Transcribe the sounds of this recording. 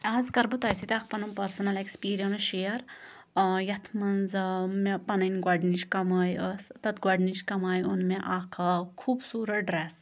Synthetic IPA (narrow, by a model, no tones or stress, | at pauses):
aːzkɐɾbut̪ɐjsit̪ʲak̚ʰpɐnɐmpɐɾsɐnɐlekspiːɾijɐnʃejɐɾ | jɐt̪ʰmɐnzɐmepɐnɐnʲɡwɐɖnit͡ʃʰkɐmaːjəst̪ɐt̪ɡʷɐɖnit͡ʃkɐmaːjunmeʔaːkʰɐkʰuːbsuːɾɐɖɾes